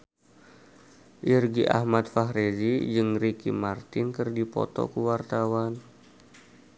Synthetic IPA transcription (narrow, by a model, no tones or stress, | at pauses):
ʔirɡiʔa̰hmat̪̚faɦɾezid͡ʒɨŋrikimart̪ɪnkɨrdipɔ̰t̪ɔ̰kuwart̪awan